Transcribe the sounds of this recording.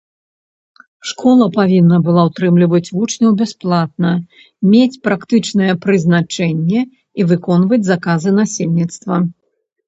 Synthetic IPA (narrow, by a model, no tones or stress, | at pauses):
ʂkʰɔlˠɐpavʲinːɐbɨlˠawt̪ɾɨmlʲivɐt͡sʲvut͡ʂnʲɐwbʲɛsplˠat̪̚nɐ | mʲet͡sʲpɾakt̪ɨt͡ʂnɨjɛpɾɨznat͡ʂɛnʲːɛ | ivɨkɔnvɐd͡zʲzakazɨnasʲelʲnʲit̪st̪vɐ